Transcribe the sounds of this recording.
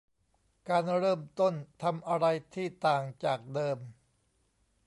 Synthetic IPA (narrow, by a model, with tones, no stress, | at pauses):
kaː˧nɾɤː˥˩mt̪o˥˩nt̪ʰa˧mʔa˧ɾa˧jt̪ʰiː˥˩t̪aː˨˩ŋt͡ɕaː˨˩k̚dɤː˧m